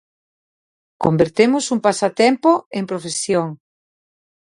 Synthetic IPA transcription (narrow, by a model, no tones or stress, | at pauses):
kombeɾt̪emʊsuŋpasat̪ɛmpoempɾofesjoŋ